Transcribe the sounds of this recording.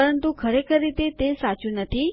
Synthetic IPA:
əɾənt̪ukʰəɾekʰəɾːit̪et̪esat͡ʃũnət̪ʰi

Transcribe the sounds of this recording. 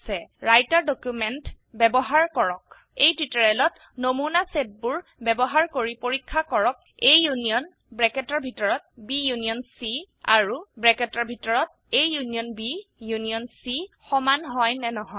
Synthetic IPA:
sɛɹajtaɹdokjumɛnt | bɛbɔɦaɹkɔɹɔk | ejtwitɔɹɛlɔt | nomunaset̚buɹbɛbɔɦaɹkoɹipoɹikʰːakɔɹɔk̚ejːunijɔn | bɹɛkɛtɔɹbʱitɔɹɔt̚bijunijɔnsi | a̰ɹubɹɛkɛtɔɹbʱitɔɹɔt̚ | ejːunijɔnbijunijɔnsi | xɔmanɦɔjnɛnɔɦɔ

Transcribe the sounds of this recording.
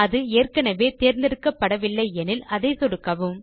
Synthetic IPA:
ɐðɯeːrkɐnɐʋeːt̪eːɾnd̪ɪɾɯkːɐpːɐɽɐʋɪlːɐɪɛnɪlɐðɐɪsɔɽɯkːɐʋɯm

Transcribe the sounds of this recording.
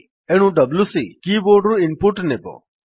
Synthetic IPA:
eɽ̃ũɖɐblusikiːboːɖɾuɪnpuʈnebo̰

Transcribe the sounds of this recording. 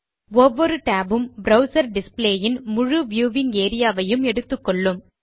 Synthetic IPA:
ɔʋːɔɾɯʈaːbɯmbɾɐʊsɐɾɖɪspleːjɪnmʊɻɯʋjuːʋɪŋeːɾɪjaːʋɐjɯmɛɽɯt̪ːɯkːɔɭːɯm

